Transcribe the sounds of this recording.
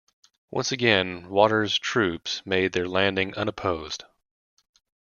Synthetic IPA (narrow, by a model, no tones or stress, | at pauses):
wʔʌ̰̃nsɨɡɛ̃nwɔɾə˞z̥tʰɹ̥ʉpsmeɪd̪̚ðə˞læ̃ndɪ̃ŋʔʌ̃ñəpʰoʊz̥d̥